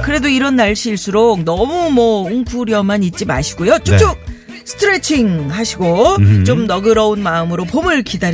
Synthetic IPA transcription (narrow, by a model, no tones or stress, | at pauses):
kɯɾe̞doiɾʌnːaɭɕ͈ʰiɭs͈uɾok̚nʌmumʌuŋkʰuɾjʌmanit̚t͡ɕ͈ima̰ɕʰi̥ɡojot͡ɕot͡ɕ͈u | sʰɯ̥tʰɯɾe̞t͡ɕʰiŋhaɕʰiɡot͡ɕomnʌɡɯɾʌunmaɯmɯɾopomɯɭkidaɾ